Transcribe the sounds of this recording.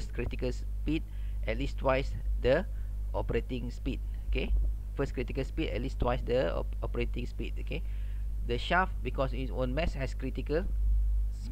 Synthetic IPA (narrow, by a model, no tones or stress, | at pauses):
skɹitikəls | pit̚ | ʔɛt̚listʰwaɪs | də | ʔɔpəɹetĩŋspit̚ | oke | fəskɹitikəlspitɛ̰t̚listwajsdəɔ̰ | ɔpəɹetĩŋspit̚oke | dəʃafbikɔsisõ̰nmɛshɛskɹitikəl | s